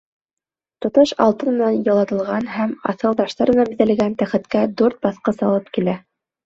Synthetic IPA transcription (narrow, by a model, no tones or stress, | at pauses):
t̪ŏt̪ɤʃɑ̰lˠt̪ɤ̆nmɘ̆nɑnjɑ̆lˠɑt̪ɤ̆lˠʁɑnhæmɑ̰θɤ̆lˠd̪ɑʃt̪ɑɾɤ̆nɑbɘ̆ðæl̆ɡænt̪æχɘ̆t̪kæd̪uɾt̪̚bɑθqɤsɑlˠɤp̚kilæ